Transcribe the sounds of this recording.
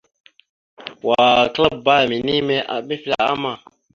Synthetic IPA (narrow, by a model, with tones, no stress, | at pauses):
wa˨kla˦b̚ba˦˨mi˨ni˦me˦ʔa̰˨mi˦fla˨a̰˦ma˨